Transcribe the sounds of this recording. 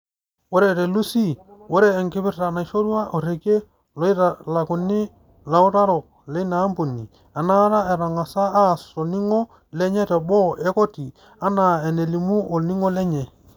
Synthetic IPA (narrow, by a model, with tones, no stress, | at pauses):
wo˦ɾɛ˨ɾe˨lu˦si˦wo˦ɾɛː˨ŋkɪ˦bɪ˦rta˨na˨ʃo˦ɾwa˦ʔo˨ɾe˨ke˦ | lɔ˨˦i˦ɾa˨la˨kʊ˨nɪ˦ | la˨u˦ɾa˦ɾɔ˨k̚ | le˦na˨˦mbu˨nːi˨ | a˨na˦ɾa˦ɛ˨ɾa˨ŋa˨saː˦˨so˨ni˦ŋɔ˦ | lɛ˦ɲɛ˦tɛ˨bɔ˦ʔɛ˦ko˦ti˨ | a˦na˨ɛ˨ne˨li˨mu˦ʔo˨ni˦ŋo˦lɛ˦ɲɛ˨